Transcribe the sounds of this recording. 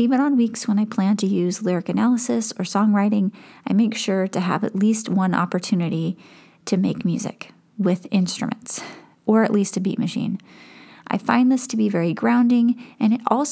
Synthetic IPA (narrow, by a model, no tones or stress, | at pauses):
ivɨ̃ñə̃nwikswə̃naɪpʰl̥æ̃ntʰɨjʉzlɪɹɨkɨnælˠəsɨsə˞sɔ̃ŋɹaɪɾɪ̃ŋaɪmeɪkʃʊɹɾɨə̰vɨ̰tˡlist̚wʌ̃nɑ̰pə˞tʰʉnɨɾi | ɾɨmeɪkmjʉ̰zɪ̰k | wɪðɪ̃nstɹ̥ɨ̰mʔɨ̃nts | ʔə˞ɨ̰ʔˡlistɨbḭʔmɨʃḭ̃nʔa̰ɪfã̰ɪ̃nðɪstʰɨbivɛɹiɡɹãʊ̃ndɪ̃ŋɨ̃nɨɾɔ̰lˠs